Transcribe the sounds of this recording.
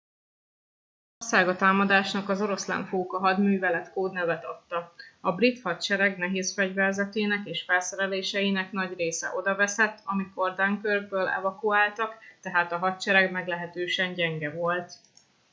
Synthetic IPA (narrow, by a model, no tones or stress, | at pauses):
orsaːɡɒt̪aːmɒd̪aːʃnɒkɒzo̞ɾo̞slɛ̰ɱfoːkɒɦɒd̪myːvɛlɛt̪koːd̪nɛvɛt̪ɒt̪ːɒɒbrit̪hɒt̪t͡ʃɛɾɛɡnɛɦeːsfɛɟvɛrzɛt̪eːnɛkeːʃfɛlsɛɾɛleːʃɛjinɛknɒɟreːsɛ̰ʔo̞d̪ɒvɛsɛt̪ːɒmiko̞rd̪aːŋkørɡbøːlɛ̰vɒkuaːlt̪ɒkt̪ɛɦaːt̪ɒɦɒt̪t͡ʃɛɾɛɡmɛɡlɛɦɛt̪øːʃɛɲɟɛŋɡɛvo̞lt̪